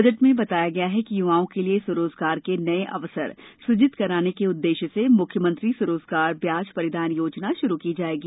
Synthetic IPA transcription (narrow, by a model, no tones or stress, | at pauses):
d͡ʒəʈmẽbɐt̪aːjaɡɐjaɦɛkijʊʋaːõkeliesʊɾoːzɡaːɾkenɐeʔɐ̰ʋsə̰ɾsʊd͡ʒɪt̪kɐɾaːnekeʊd̪ːeːʃəsemʊkʰjəmə̃nt̪ɾisʊɾoːzɡaːɾbjaːd͡ʒpɐɾɪd̪aːnjoːd͡ʒnaʃʊɾukid͡ʒaːeːɡiː